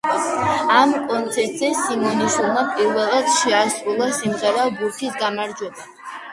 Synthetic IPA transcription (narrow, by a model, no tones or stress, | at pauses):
amkʼɔnt̪sʰɛɾt̪ʼzɛsimɔniʃulˠmapʼiɾvɛlˠad̪ʃɛasɾulˠasimʁɛɾaɔbuɾkʰisɡamaɾd͡ʒwɛba